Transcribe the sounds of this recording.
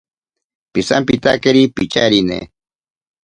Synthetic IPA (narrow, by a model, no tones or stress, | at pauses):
pisampit̪akeɾipit͡ʃaɾinḛ